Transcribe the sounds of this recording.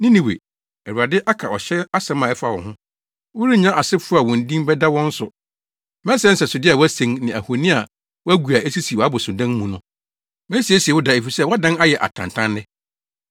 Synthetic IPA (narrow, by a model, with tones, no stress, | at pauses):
nɪ̃˦nĩ˨wḛ˨ | ɛ˨wu˨a˨dɪ˦ʔa˦kʰa˨ɔ˨ɕɛ˦a˦sã˦mã˨ɛ˦fa˨wɔ̰̃˨hʊ̃˦ | wʊ˦ɾi˦ɲã˦ʔa˨sɪ˦fʊ˦a˨wɔ̃˨n˨dĩ˦m˦bɛ˦da˦wɔ̃˦n̩˦sʊ˨ | mɛ̃˦sɛ˦n̩˦sɛ˨sʊ˨dɪ˦a˨wæ˦sẽ˨ŋnɪ̃˨æ˨ho˨nĩ˦a˨ | wɔ˦æ˦ɡu˨a˨e˦si˦si˨wɔ˨a˦bʊ˨sʊ̃˨dã˦n˦mũ˨nʊ̃˦ | mɛ̃˦si˨˦e˦si˨ɛ˨wʊ˦da˨e˨fi˨sɛ˦wɔ˦dã˦na˦jɛ˨ʔa̰˨tʰã̰˨n˨tʰã˦nːɪ˦